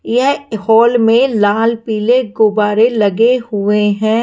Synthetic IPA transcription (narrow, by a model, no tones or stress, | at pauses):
jɛɦhɔːlmẽlaːlpiːleɡʊbaːɾelɐɡehʊeɦɛ̃ː